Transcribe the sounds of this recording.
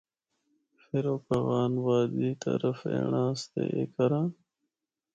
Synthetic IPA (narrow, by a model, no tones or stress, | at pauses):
feɾoːkɐɣɑːnwɑːd̪iːt̪ɐ̰ɾɐfḛɳaːst̪ḛʔekɐɾãː